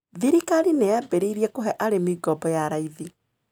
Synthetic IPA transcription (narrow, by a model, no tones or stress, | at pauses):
ðiɾikaɾinejabeɾeiɾiɛkoɦɛʔaɾemiɡɔbɔjaɾaiði